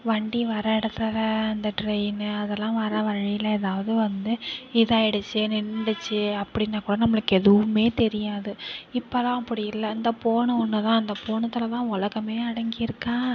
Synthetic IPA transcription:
ʋɐɳɖiʋɐɾɐɪɽɐt̪ːɐlɐɐnd̪ɐʈɾɛɪnɐðɛlːãːʋɐɾɐʋɐɻɪjɪlːɐɛðaːʋɐðɯʋɐnd̪ɯɪðaːɛɽɯt͡ʃːɯnɪɳːɽɯt͡ʃːɯɐpːɐɽɪnːɐkuːɽɐnɐmːɐɭɯkːɯɛðɯʋɯmeːt̪ɛɾɪjaːðɯɪpːɐlãːɐpːɐɽɪjɪlːɐɪnd̪ɐpoːɳɐɔnːɐt̪ãːɐnd̪ɐpoːɳɐt̪ːɪlɐt̪ãːɔɭɐɣɐmeːɐɽɐŋɡɪjɪɾɯkːãː

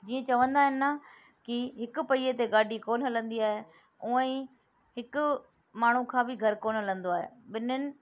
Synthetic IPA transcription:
d͡ʑiːə̃t͡ɕɐʋə̃nd̪aːɦɪnɪnɐ | kiɦɪkʊ̆pɐiːet̪eɡaːɖikoːnɦɐlə̃nd̪iaːɦe | ũːə̃ĩ | ɦɪkʊ̆ | maːɳ̤ukʰãːbɪɡʱɐɾkoːnɦɐlə̃nd̪oaːɦḛɓɪnənɪ̆

